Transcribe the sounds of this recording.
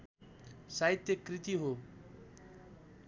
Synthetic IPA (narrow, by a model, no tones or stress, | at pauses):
saɦit̪jʌkɾit̪iɦo